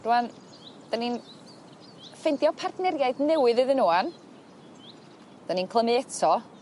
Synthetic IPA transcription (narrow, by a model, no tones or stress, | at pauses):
d̥uan | d̥anin | fɛndjɔpʰardnɛrjajdnɛwɨðɨðɨnuːan | d̥aninkʰlˠəmɨɛtʰɔ